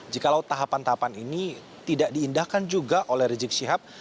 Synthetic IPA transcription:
d͡ʒikalawt̪aɦapant̪aɦapanini | t̪idaʔdiːndahkand͡ʒuɡaʔolɛhrid͡ʒɪk̚siɦap̚

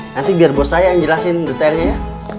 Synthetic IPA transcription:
nant̪ibiarbɔsajaɲd͡ʒəlasɪndit̪alɲaja

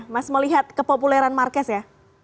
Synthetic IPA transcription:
masməliɦat̪̚kəpopulɛɾanmarkɛsja

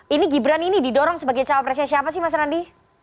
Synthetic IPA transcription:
iniɡibɾaninididɔɾɔŋsəbaɡajt͡ʃawapɾɛsɛnsiapasɪhmas̬aɾandi

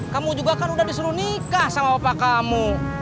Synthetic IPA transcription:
kamud͡ʒuɡakanudahdisuɾunikahsamawapakamu

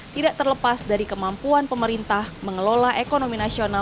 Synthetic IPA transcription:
tt̪idaʔt̪ərləpasdaɾikəmampuanpəməɾint̪ahməŋəlolaɦʔekonominasiona

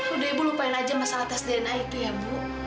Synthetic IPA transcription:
kudaibulupainad͡ʒamasalat̪asdenait̪ujabu

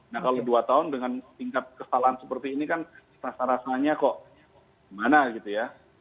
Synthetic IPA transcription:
nahkaloduat̪aʊndəŋanpiŋkat̪̚kəsalaɦansəpərt̪iːnikan | sasaɾasaɲakɔʔ | imanaɡit̪uja

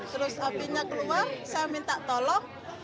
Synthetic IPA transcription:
t̪əɾʊsapiɲakəluwarsamint̪aʔt̪ɔlɔŋ

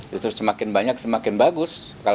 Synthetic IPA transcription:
t̪ɾʊssəmakɪnbaɲak̚səmakɪnbaɡʊs | ka

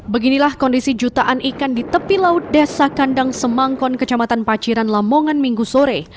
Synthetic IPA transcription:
bəɡinilahkɔndisid͡ʒut̪aʔanikandit̪əpilaʊt̪̚dasakandaŋsəmaŋkɔnkət͡ʃamat̪anpat͡ʃiɾanlamoŋanmiŋɡusoɾe

